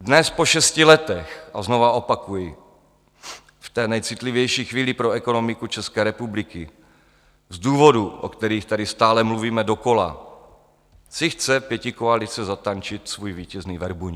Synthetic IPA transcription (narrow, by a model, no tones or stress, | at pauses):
dnɛspoʃɛscɪlɛt̪ɛxʔazno̞vaʔo̞pakujɪ | ft̪ɛːnɛjt͡sɪt̪livjɛjʃiːxviːlɪpɾoɛko̞no̞mɪkut͡ʃɛskɛːɾɛpublɪkɪ | zduːvo̞duʔo̰kt̪ɛɾiːxt̪adɪst̪aːlɛmluviːmɛdoko̞la̰ | sɪxt͡sɛpjɛcɪkoalɪt͡sɛzat̪ant͡ʃɪt̪svuːjviːcɛzniːvɛɾbuɲ